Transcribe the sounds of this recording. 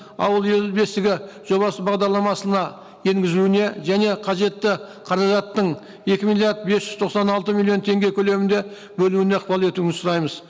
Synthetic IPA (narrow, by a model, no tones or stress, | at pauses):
ɑ̰wəlˠje̞lbe̞st̪ɪɡʲɪʒ̥o̞βɑsəbɑʁd̪ɑɾlˠɑmɑsənɑ | je̞ŋɡʲɪzuɪne̞ʒæne̞qʰɑʒe̞t̪ːɪ | qʰɑɾɑʒɑt̪ːəɴ | e̞kʲɪmilʲˠjaɾd̪̚besʒʏzt̪ʰo̞qsɑnɑlˠt̪əmilʲˠːijo̞nt̪ʰe̞ŋɡʲe̞kʲʰɵle̞mɪnd̪e̞ | bɵluɪne̞ɑqpɑlˠe̞t̪uɪnsʊɾɑjməz